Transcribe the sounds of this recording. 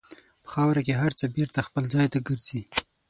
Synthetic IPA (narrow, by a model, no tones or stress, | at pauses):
pə̥xɑwɾakeɦaɾt͡səbeɾt̪axpəlzɑjt̪aɡəɾz̥i